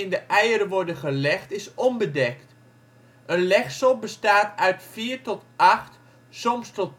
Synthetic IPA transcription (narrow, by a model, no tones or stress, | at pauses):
ɪndəʔɛjəɾəʋɔɹdəχəlɛxtɪsɔmbədɛkt | ənlɛχsəlˠbəstaːtœɥtfiːrtɔtʔaχt | sɔmstɔt